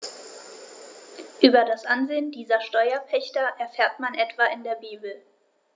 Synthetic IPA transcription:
ʔyːbɐdasʔanzeːəndiːzɐʃtɔʏɐpʰɛçtɐʔɛɐfɛːɐtmanʔɛtv̥aɪndeːɐbiːbl̩

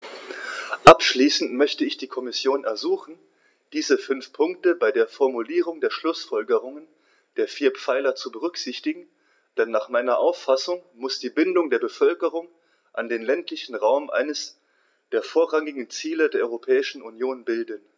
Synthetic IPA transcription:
ʔapʃliːsn̩tmœçtəɪçd̥iːkʰɔmɪsjoːnɛɐzuːχn̩ | d̥iːzəfʏnfpʰʊŋk̚təbaɪdeːɐfɔɐmuliːʁ̞ʊŋdeːɐʃlʊsfɔlɡəʁ̞ʊŋən | d̥eːɐfiːɐpp͡faɪlɐt͡subəʁ̞ʏkz̥ɪçtɪɡŋ̩ | d̥ɛnːaːχmaɪnɐʔaʊfːasʊŋmʊsd̥iːbɪndʊŋdeːɐbəfœlkəʁ̞ʊŋ | ʔandeːnlɛntlɪçn̩ʁaʊmʔa̰ɪnəs | d̥eːɐfoːɐʁaŋɪɡŋ̩t͡siːlədeːɐʔɔʏʁopʰɛːɪʃn̩unjoːnbɪldən

